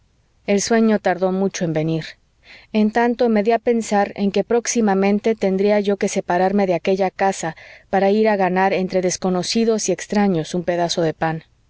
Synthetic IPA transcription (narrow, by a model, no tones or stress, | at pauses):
e̞lswe̞ɲo̞t̪aɾðo̞mut͡ʃo̞e̞mbe̞niɾ | e̞nt̪ant̪o̞me̞ðiape̞nsaɾe̞̰ŋke̞pɾo̞ksimamẽ̞nt̪e̞t̪e̞nd̪ɾiaʝo̞ke̞se̞paɾaɾme̞ðeake̞ʝakasapaɾaiɾaɣanaɾe̞nt̪ɾeðe̞sko̞no̞siðo̞sie̞kst̪ɾaɲo̞sumpe̞ðaso̞ðe̞pan